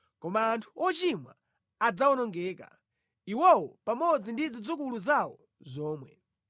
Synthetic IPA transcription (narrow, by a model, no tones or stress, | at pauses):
kɔmaːntʰuɔt͡ʃimwa̰ | ad͡zawɔnɔŋɡɛːka̰ | iwɔwɔpamɔd͡zindid͡zid͡zukuluzawɔ̰ | zɔːmwɛ̰